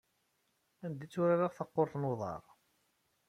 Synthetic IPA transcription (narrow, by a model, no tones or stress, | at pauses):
ænd̪it͡sːʊɾaɾaʁθɑqːoɾθnoðˤɑ̰ɾˤ